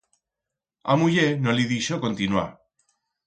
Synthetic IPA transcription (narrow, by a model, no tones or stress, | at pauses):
a̰mujenoliðiʃokont̪inwa̰